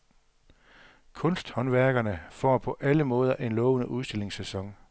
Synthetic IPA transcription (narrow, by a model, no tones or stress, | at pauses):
kʰɔ̽nsd̥hɒ̽nʋæɐɡ̥ɐnəfɒ̰ːpʰɒ̽ʔæləmɔ̽ːð̞ˠɐʔe̝nlɔ̽ːʊənəʔuðˠsd̥e̝le̝ŋsesɒ̽ŋ